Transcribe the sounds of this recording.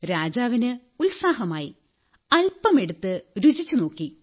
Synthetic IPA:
ɾaːd͡ʑaːʋinɨ | ulsaːɦɐmaːji | ɐlpɐme̞ɽut̪ːɨɾud͡ʑit͡ɕːuno̞ːkːi

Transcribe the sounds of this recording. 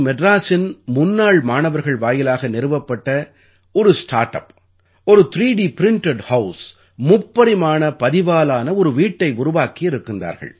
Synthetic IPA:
mɛɖɾaːsɪnmʊnːaːɭmaːnɐʋɐɾɣɐɭʋaːjɪlaːɣɐnɛɾɯʋɐpːɐʈːɐ | ɔɾɯsʈa̰ːɾʈːɐ̰p | ɔɾɯt̪ɾiːɽipɪɾɪɳʈɛɖhɐʊs | mʊpːɐɾɪmaːnɐpɐðɪʋaːlaːnɐɔɾɯʋiːʈːɐɪʊɾʊʋaːkɪjɪɾɯkːɯnd̪a̰ːɾɣɐ̰ɭ

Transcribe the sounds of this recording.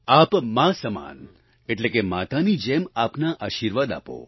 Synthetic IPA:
aːpmãsəma̰ːn | eʈlekemaːt̪anid͡ʒemaːpnaʔaːʃiːɾʋaːd̪a̰ːpo̰

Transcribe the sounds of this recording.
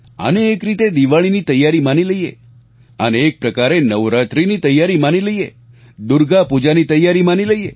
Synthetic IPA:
ə̰neːkɾit̪ed̪iʋaɭ̃init̪əjːaɾimaniləjḛ | ə̰neːk̚pɾəkaɾenəʋɾat̪ɾinit̪əjːaɾimaniləijḛ | d̪uɾɡapud͡ʒanit̪əjːaɾimaniləije

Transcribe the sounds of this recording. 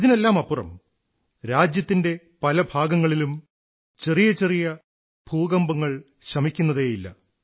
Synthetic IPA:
ɐðine̞lːaːmɐpːurɐ̰m | ɾaːd͡ʑjɐt̪ːinde̞ | pɐlɐbʱaːɡɐŋːɐɭilum | t͡ɕe̞rijɐt͡ɕe̞rijɐ | bʱuːɡɐmbɐŋːɐɭ | ɕɐmikʲːunːɐðeːjilːɐ̰

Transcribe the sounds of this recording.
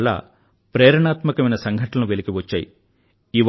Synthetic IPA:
ɭːa̰ː | pɾɛːɾɐɳaːt̪mɐkɐmɐjnɐsɐŋɡʱɐʈʰɐnɐnuʋelikiʋɐt͡ʃːa̰ːjḭ | iʋ

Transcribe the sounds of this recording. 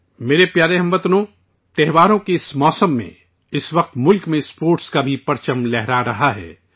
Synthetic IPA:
meːɾepjaːɾeɦɐ̃mʋɐt̪nõ | t̪ɛɦʋaːɾõkeɪsmɔːsəmːḛ̃ | ɪsʋɐq̚t̪mʊlkmẽspoːɾʈskabʱipɐɾt͡ʃəmlɛɦɾaɾɐɦaɦɛ̰ː

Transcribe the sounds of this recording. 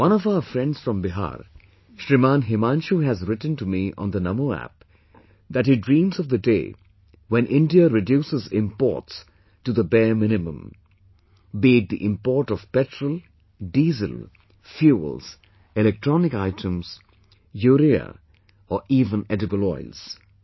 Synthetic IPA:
wʌ̃nɔvaʊəfɾɛ̃nɖz̥fɹɔ̃mbɪɦa̰ːɾ | ʃɾɪmãːnɦɪmãːnʃuɦæzɾɪʈn̩tumiʔɔ̰̃nd̪ənʌmoæ̰p̚ | d̪æthidɹĩːmzɔvd̪ədḛː | wɛ̃nʔɪ̃nɖiəɾɪdjuːsɪzɪ̰̃mpɔ̰ːts | tud̪əbɛːmɪ̃nɪmə̰̃m | beːd̪̚d̪ḭʔɪ̃mpɔːɹʈɔv̥pɛtɹəlˠ | ɖiːzə̰l | fjuə̰lz̥ | ɪlɛk̚ʈɹɔnɪkaɪtʰə̃mz̥ | juːɾiə̰ | ɔʔiːvə̃nɛɾɪbəlɔ̰ɪlz̥

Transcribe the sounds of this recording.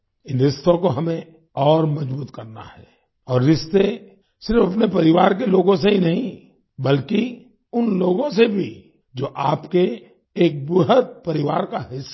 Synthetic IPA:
ɪ̃nɾɪʃt̪õkoɦɐmẽ | ɔːɾmɐd͡ʒbuːt̪kɐɾna̰ɦɛ̰ː | ɔːɾːɪst̪e | sɪɾfɐpnepɐɾɪʋaːɾk̬eloːɡõseɦinɐɦĩ | bɐlki | ʊnloːɡõsebʱi | d͡ʒoːʔaːpkeː | k̚bʊɦət̪̚pɐɾɪʋaːɾkaɦɪsː

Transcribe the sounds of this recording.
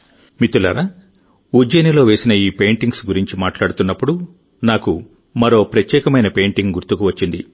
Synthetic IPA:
mit̪ulɐ̰ɾa | ud͡ʒeːnilo̞ːʋe̞ːsinɐiːpe̞ːɳʈiŋɡsɡuɾiɲt͡ʃimaːʈlaːɽut̪unːɐpːuɽu | naːku | mɐɾo̞ːpɾɐt̪jɛːkɐmɐjnɐpe̞ːɳʈiŋɡuɾt̪ukuʋɐt͡ʃːind̪ḭ

